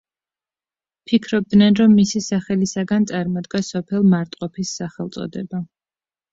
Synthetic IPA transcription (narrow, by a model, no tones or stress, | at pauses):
pʰikʰɾɔb̚d̪nɛnɾɔmːisisaχɛlisaɡant̪sʼaɾmɔd̪ɡasɔpʰɛlˠmaɾt̪ʼqʼɔpʰisːaχɛlˠt̪sʼɔ̰d̪ɛ̰ba